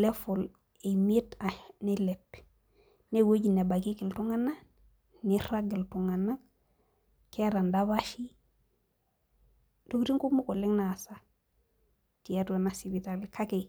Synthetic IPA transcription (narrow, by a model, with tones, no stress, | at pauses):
le˦fu˨l | e˨me˦tanele˨p | ne˨wo˦ɟi˨ne˨ba˨ki˦ki˨ltuŋa˦na˦ | ni˦ɾa˦ɡi˨ltu˨ŋa˨na˦k̚ | ke˦ɾa˨ndaβa˦ʃi˦ | dokɾi˦ŋku˦mu˦ko˨li˦ŋna˨sa˦ | ti˨a˦tu˨e˨nasi˨bi˨ta˨likʰa˦ke˨